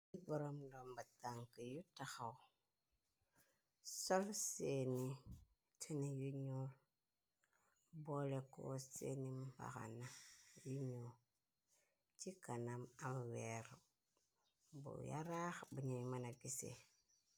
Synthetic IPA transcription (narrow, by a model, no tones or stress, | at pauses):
iboɾomlombataŋkijutaxa | solseni | tʰinijuɲol | boleko̰sḛnimba̰xa̰najuɲo | t͡ʃikanamamweɾo | bṵja̰ɾaxbuɲoimanaɡisḛ